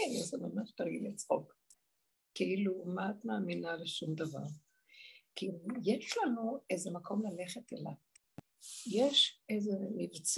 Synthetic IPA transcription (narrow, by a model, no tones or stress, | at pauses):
ezemamaʃt̪aʁɡilit͡sχo̰k | keilumaːt̪maːminaleʃumd̪ava̰ʁ | kijeʃlanuejzemakʰo̞mlaleχet̪ḛla | jeʃejzemivt͡s